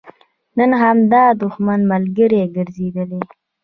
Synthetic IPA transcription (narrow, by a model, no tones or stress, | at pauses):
nənɦamd̪ɑd̪ʊxmanmalɡəɾeɡəɾzed̪əle